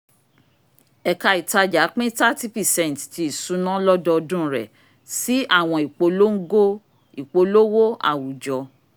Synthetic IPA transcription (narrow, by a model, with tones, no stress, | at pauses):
ɛ˨ka˧i˨ta˧d͡ʒa˨˦k͡pĩ˦ta˦ti˦pi˨sɛ̃˦˨n˨tti˧i˨sũ˨˦nã˦lɔ˦dɔ˧dũ˦˨ɾɛ̰˨ | si˦a˦˨w̃ɔ̃˧i˨k͡po˨˦lo˦ŋ̩˦ɡo˦ | i˨k͡po˨lo˦wo˦a̰˦˨wu˨d͡ʒɔ˨˦